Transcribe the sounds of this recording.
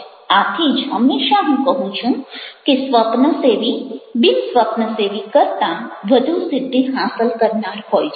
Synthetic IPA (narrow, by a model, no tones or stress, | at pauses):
at̪ʰid͡ʒɦəmːeʃaɦũkəɦũt͡ʃʰũkesʋəpnəseʋibinsʋəpnəseʋikəɾt̪ãʋəd̪ʱusɪd̪ʱːiɦasəlkəɾnaɾɦojt͡ʃʰ